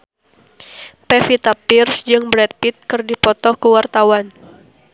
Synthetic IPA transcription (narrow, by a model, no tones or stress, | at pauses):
pɛfit̪apirsd͡ʒɨŋbɾɛt̪̚pit̪̚kɨrdipɔt̪ɔkəwart̪awan